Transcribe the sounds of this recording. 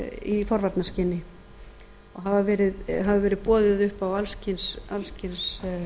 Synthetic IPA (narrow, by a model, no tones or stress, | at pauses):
ifɔɾvaɾt̪nascɪnːɪ | ɔɣɦavavɛːɾɪðɦavʏvɛːɾɪðpɔːðɪðʏhpawalscɪnsalscɪns